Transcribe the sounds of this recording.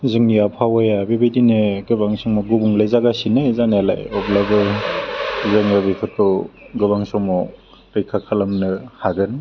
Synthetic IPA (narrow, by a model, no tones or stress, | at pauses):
zɯŋnijapʰawajabebejdinɯɡɯbaŋsɔŋmɔɡubuŋlajzaɡasinɯzaneala̰jɔplabɯ | zɯŋɯbejkʰɯtɔɡɯbaŋsɔŋmɔ | ɾɯjkʰakʰalamnɯhaɡɯn